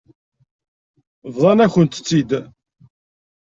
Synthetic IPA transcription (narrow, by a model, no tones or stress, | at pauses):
vðˤɑnæçənt̪ə̥t͡sːid̪